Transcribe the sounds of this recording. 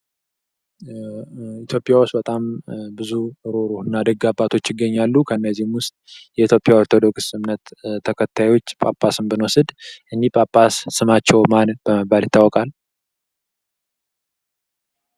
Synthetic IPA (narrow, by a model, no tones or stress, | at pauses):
it̪ʰjo̞pʼjawʊst̪bət̪ʼambɨzuɾo̞ɾoɨnːad̪əɡabːat̪ʰo̞t͡ʃːjɪɡːəɲːalːukʰənːəzihɨmwʊst̪ʼjɛit̪ʰjopʼjaoɾt̪ʰo̞d̪o̞ksɨmnət̪ʰːəkʰət̪ʰːajwo̞t͡ʃːpʼapʼːasɨmbɨnosɨd̪ʔɨnːipʼapʼːasːɨmat͡ʃːɛwmanbəməbːalɪt̪ʰːawɔkʼal